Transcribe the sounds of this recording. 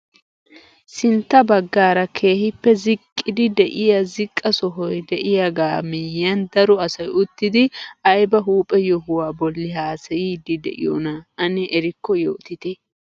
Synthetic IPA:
sɪnt̪ːɐbɐɡːaːɾɐkʰe̞ːhɪpːɛzɪkʼːɪd̪ɪd̪ɛʔɪjɐzɪkʼːɐsɔɦɔjd̪ɛʔɪjaɡaːmɪjːɐnd̪ɐɾɔɐsɐjʊt̪ːɪd̪ɪɐjbɐɦuːpʼɛjɔɦʊwaːbɔlːɪɦaːsɐjiːd̪ɪd̪ɛ̰ʔɪ̰jɔ̰nɐɐnɛʔɛɾɪkːɔjo̰ːt̪ɪt̪ɪ

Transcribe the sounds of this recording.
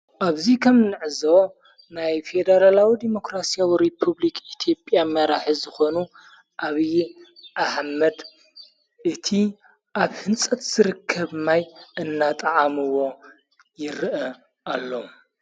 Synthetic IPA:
ʔaβzikʰɐmnɨʕɨzo | najfed̪ɐɾalawid̪imo̞kɾasijawiɾipʰuβlikʰit̪ʰjo̞pʼjamɐɾaħizɨxo̞nu | ʔaβijʔaħmɐd̪ | ʔɨt̪ʰi | ʔaβhɨnt͡sʼɐt̪z̥ɨɾɨkʰːɐβmajɨnːat̪ʼɐʕamɨwo | jɪɾɨʔɐ | ʔalːo

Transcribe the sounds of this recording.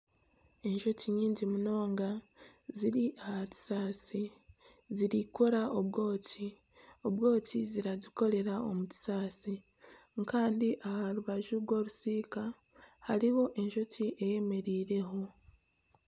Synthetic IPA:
e̞nʒo̞ciɲiːɲɟimuno̞ːŋɡaziɾiʔahaci̥saːsi | ziɾikoɾaoβɡo̞ːci | oβɡo̞ːciziɾaziko̞ɾe̞ɾao̞muci̥saːsi | ŋkaːndiʔahaɾuβaʒuɾɡo̞ːɾusiːka | haɾiho̞ʔe̞ɲʒo̞ciʔeje̞me̞ɾiːɾe̞ɦo̞

